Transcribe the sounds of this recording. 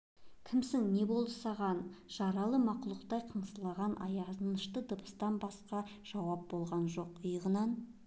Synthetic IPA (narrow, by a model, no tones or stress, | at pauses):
kʲʰɪmsɪŋne̞bo̞lˠd̪əsɑʁɑnʒ̥ɑɾɑlˠəmɑqulˠəqt̪ɑjqʰəɴslˠɑʁɑnʔɑ̰jɑnəʃt̪əd̪əbə̥st̪ɑnbɑsqɑʒ̥ɑwɑp̚bo̞lˠʁɑnʒo̞qəjəʁənɑn